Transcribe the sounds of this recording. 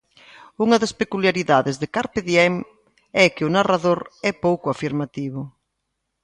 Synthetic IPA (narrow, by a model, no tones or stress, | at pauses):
uŋɐðɐspekuljaɾiðaðɪzðekaɾpeðjɛm | ɛkɪʊnaraðoɾɛpowkʊafiɾmat̪iβʊ